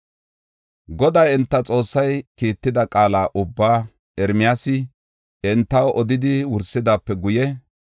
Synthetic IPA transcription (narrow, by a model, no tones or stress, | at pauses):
ɡɔd̪ɐjɛnt̪ːɐt͡sʼo̞ːsːɐjkiːt̪ːɪd̪ɐkʼaːlaːʔʊbːaː | ɛɾmɪjasɪ | ɛnt̪ːɐwʔɔd̪ɪd̪ɪwʊɾsːɪd̪aːpːɛɡʊjɛ